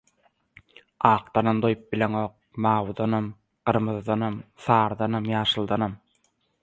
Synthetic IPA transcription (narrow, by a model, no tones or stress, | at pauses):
ɑːq̚t̪ɑnɑmd̪ojp̚bileŋoːq̚mɑːwd̪ɑnɑm | ɢ̥ɯɾmɯðd̪ɑnɑmθɑːɾd̪ɑnɑmjɑːʃɯlˠd̪ɑnɑm